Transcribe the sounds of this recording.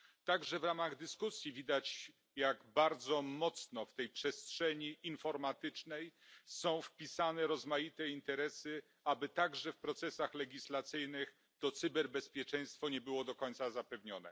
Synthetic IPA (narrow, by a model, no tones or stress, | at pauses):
t̪aɡʐɛvɾamaɣd̪ɘskusʲjivʲid̪at͡ɕ | jaɡbaɾd̪zɔmɔt̪snɔft̪ɛjpʂɛstʂɛɲiinfɔɾmat̪ɘt͡ʂnɛjsɔ̃w̃fpʲisanɛɾɔzmajit̪ɛint̪ɛɾɛsɘ | abɘt̪aɡʐɛfpɾɔt̪sɛsaxlɛɡʲislat̪sɘjnɘx | t̪ɔt̪sɘbɛɾbɛspʲjɛt͡ʂɛ̃j̃st̪fɔɲɛbɘwɔd̪ɔkɔɲ̃ʲt̪sazapɛvɲɔnɛ̰